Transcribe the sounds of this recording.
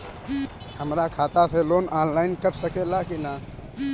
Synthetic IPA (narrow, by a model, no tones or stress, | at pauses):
həmɾakʰaːt̪asʰeloːnʔaːnlaːɪnkəɾsəkelakina